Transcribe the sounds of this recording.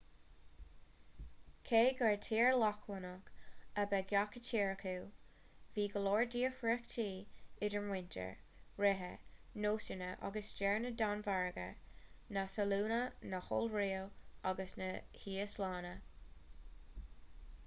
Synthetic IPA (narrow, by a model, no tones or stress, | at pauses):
kʰeːɡəɹtʰiːɹlɔkʰlənʊkəbɛɡjakətʰiːɹəkuw | viːɡəlɔːɹdiːəfɹɛktʰiːɪdəɹmwɪntʰə̰ɹ | ɹɛɦə̰noːsənəʔa̰ɡəsd͡ʒɛɹnədanvaɹɡə̰nasəluːnənəxɔ̰lɹiːəwaɡəsnəhiːəslaːnə